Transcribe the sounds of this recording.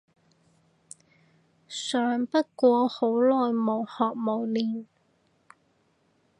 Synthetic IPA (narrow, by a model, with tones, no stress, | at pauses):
sœː˨ŋpɐ˥t̚kʷɔː˧ho˨˥wlɔː˨jmo˨˧whɔː˨˩k̚mo˨˩wliː˨˩n